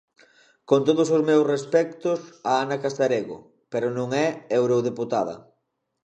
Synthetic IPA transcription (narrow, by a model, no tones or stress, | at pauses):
kont̪oð̞ʊs̬ʊzmewsrespɛk̚t̪ʊsaanɐkast̪aɾeɣo̰ | peɾonõŋɛewɾoðeput̪að̞ɐ̰